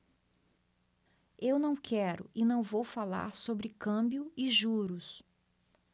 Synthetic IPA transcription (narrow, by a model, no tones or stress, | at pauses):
ewnɐ̃w̃kʰɛɾʊ̰ʔɪnɐ̃w̃vowfala̰ɾsobɾɪkɐ̃bjʊɪʒuɾʊs